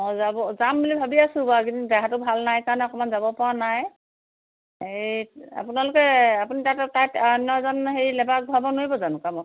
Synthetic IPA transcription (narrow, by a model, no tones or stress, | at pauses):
mɔjzabɔzambulibʱabiasũbakindaɦatʊbʱalnajkaɹnɛɔkɔmanzabɔpɔwanaj | ea̰punalʊkɛapunitatɛtajtaɔnɔzɔnɦejlɛbak̚bʱabɔnoibɔzanũkamɔ